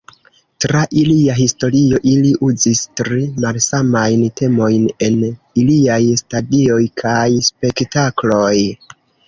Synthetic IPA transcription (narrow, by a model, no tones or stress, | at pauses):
tɾaʔiliaɦisto̞ɾio̞ʔiliʔuzistɾimalsamajntʰe̞mo̞jne̞n | iliajstadio̞jkʰajspe̞ktaklo̞j